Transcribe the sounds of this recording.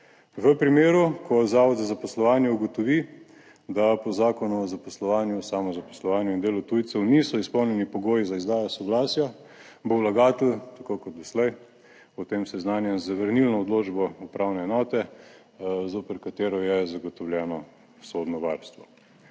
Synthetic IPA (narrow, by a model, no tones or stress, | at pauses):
ʋəpɾimeːɾukʰɔzaːʋɔd̪zazapɔslɔʋaːnjɛuɡɔt̪ɔʋi | d̪apɔzaːkɔnɔɔzapɔslɔʋaːnjusaːmɔzapo̥slɔʋaːnjuind̪eːlut̪ujt̪sɛwnisɔispɔwnjɛnipɔɡoːjizaizd̪aːjɔsɔɡlaːsja | bowlaɡaːt̪ɛlt̪akoːkɔd̪̚d̪ɔslɛj | ɔt̪eːmsɛznaːnjɛzaʋəɾnilnɔːd̪lod͡ʒbɔɔpɾaːwnɛːnɔːt̪ɛ | zoːpəɾkat̪eːɾɔjɛzaɡɔt̪ɔwlʲjɛːnɔ | soːd̪nɔʋaɾst̪ʋɔ